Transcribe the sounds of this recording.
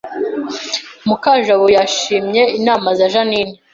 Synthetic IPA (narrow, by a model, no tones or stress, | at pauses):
mukaʒaβojaʃiːmɲe̞inaːmazaʒaniːne